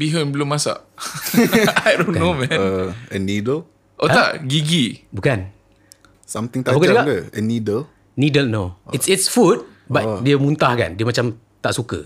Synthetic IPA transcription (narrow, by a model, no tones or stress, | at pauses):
biɦəmbəlumːasa̰ʔ | ajdõnnomɛ̃əənidəl | ʔot̪aʔɡiɡibukan | sãmt̪ĩŋt̪abukanɡaʔɡəənidəl | nidəlnoitsitsfut̚ | batdiəmunt̪ahka̰ndiəmat͡ʃam | t̪aʔsukə̰